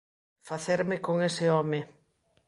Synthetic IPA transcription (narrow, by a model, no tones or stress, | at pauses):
faθeɾmɪkoŋesɪɔmɪ